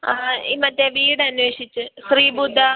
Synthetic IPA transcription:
imɐtːeʋiːɽɨɐnʋeːʂit͡ɕːɨɕriːbud̪ʱːɐ

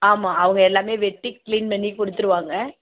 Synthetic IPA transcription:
aːmaːɐʋɐŋɡɐɛlːaːmeːʋɛʈːikliːnmɐnːikʊɽɯt̪ːɯɾɯʋaːŋɡɐ

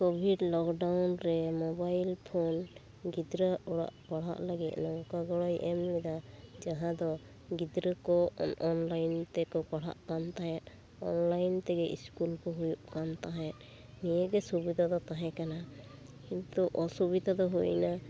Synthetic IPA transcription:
kɔbʱiɖlɔkɖawnɾɛmɔbajlpʰon | ɡid̪ɾəɔɽa̰ʔpaɽ̤a̰ʔlaɡit̪̚nɔwkaɡɔɽɔjʔɛmlɛd̪ad͡ʒaɦãd̪ɔ | ɡid̪ɾəkɔɔnlajnt̪ɛkɔpaɽ̤a̰ʔkant̪aɦɛt̪̚ | ɔ̰nlajnt̪ɛɡɛʔḭskulkɔɦujuʔkant̪aɦɛʔ̪ | nijəɡɛsubid̪ʱad̪ɔt̪aɦɛkanakint̪uʔɔsubid̪ʱad̪ɔɦujna

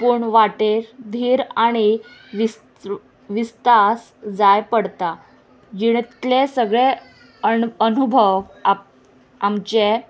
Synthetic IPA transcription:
puɳʋaʈeɾd̪ʱiːɾaɽ̃iʋi | ʋist̪as | d͡zajpəɽt̪a | d͡ʑiɽlesəɡɭe | ənubʱəʋa | amt͡ɕe

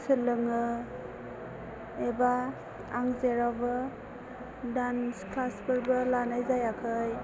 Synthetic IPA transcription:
sɯlɯŋɯ | eba | aŋzeɾawbɯ | dansklasbɯɾbɯlanajzajakʰɯj

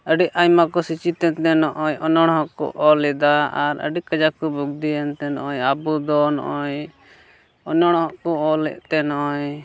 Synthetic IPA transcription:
əɖiʔajmakɔsit͡ʃit̪ɛnt̪ɛnɔʔɔɲɔnɔɽ̃ɦɔʔkɔ̰ʔɔlɛd̪aaɾə̰ɖiʔkəd͡ʒakɔbuɡ̚d̪iɛnt̪ɛnɔʔɔɲabud̪ɔnɔ̰ʔɔɲ | ɔnɔɽ̃hɔʔkɔɔlɛ̰ʔt̪ɛnɔʔɔɲ

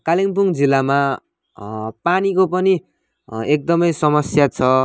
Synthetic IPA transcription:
kaliŋpuŋd͡zilːama | panikopʌni | ek̚d̪ʌmʌjsʌmʌsjat͡sʰʌ

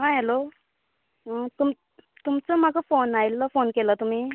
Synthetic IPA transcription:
ɦãɦelo | t̪um | t̪umt͡səmaɡəfonajlːəfonkelət̪um̤iː

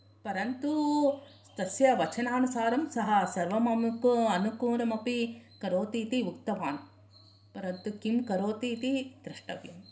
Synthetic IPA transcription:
pɐɾɐnt̪u | st̪ɐsjɐʋɐt͡ʃɐnaːnusaːɾɐmsɐɦɐsɐɾʋɐmɐmukɐnukuːɾɐmɐpikɐɾoːt̪iːt̪iʋukt̪ɐʋaːn | pɐɾɐnt̪ukimkɐɾoːt̪iːt̪id̪̥ɾɐʂʈɐ̰ʋjɐm

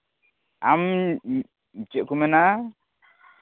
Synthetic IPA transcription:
am | mit͡ʃɛʔ̚kumɛna

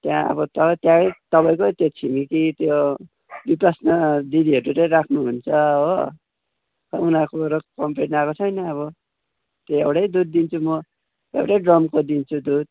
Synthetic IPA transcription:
t̪jã̰ʌ̰bʌt̪ʌt̪jãt̪ʌpaj̃kot̪jot͡sʰimikit̪jo | bipasnʌd̪id̪iɦʌɾuɾʌɾakʰnuɦunt͡sʰʌɦo | ʌunakoɾʌkʌmpeʈnakot͡sʰʌjnʌːβʌ | t̪joewʈʌjd̪ud̪̚ːint͡sʰumʌ | ewʈʌjɖrʌmkod̪int͡sʰud̪ud̪̚

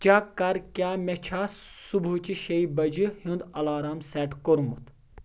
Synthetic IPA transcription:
t͡ʃakɐɾkʲjaːmet͡ʃʰaːsubut͡ʃiʃɐibɐd͡ʒihĩnd̪ɐlaːɾaːmsɛːʈkoɾmut̪

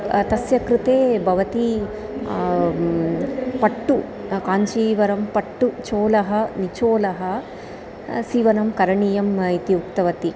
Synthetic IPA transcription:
t̪ɐsjɐkɾɪt̪eːbʱɐʋɐt̪i | pɐʈːukaːɲt͡ʃiːʋɐɾɐmpɐʈːut͡ʃoːlɐɦɐnit͡ʃoːlɐɦɐ | siːʋɐnɐmkɐɾɐɳiːjɐmit̪iukt̪ɐʋɐt̪i

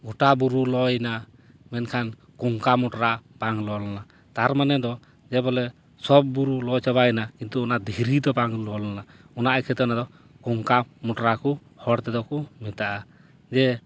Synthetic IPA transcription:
ɡɔʈabuɾulɔjna | mɛnkʰan | kɔŋkamɔʈɾapaŋlɔlana | t̪aɾmanɛd̪ɔ | d͡ʒɛbɔlɛ | sɔb̚ːuɾulɔt͡ʃaβajnakint̪uɔnad̪ʱiɾid̪ɔpaŋlɔlana | ɔnaʔakʰɛt̪ɔnad̪ɔ | kɔŋkamɔʈɔɾaku | hɔɽt̪ɛd̪ɔkumit̪aʔa | d͡ʒɛ

